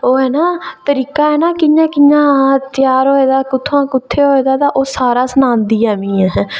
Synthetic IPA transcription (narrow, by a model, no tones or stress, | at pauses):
oːɦɛːnaːt̪əɾiːkaːɦɛːnaːkɪãːkɪɲãːt̪ɪjaːɾɦoːeːd̪aːkʊt̪ʰːoãːkʊt̪ʰːeːɦoːeːd̪aːt̪aːʔoːsaːɾaːsənãːnd̪iːaːmĩːɛː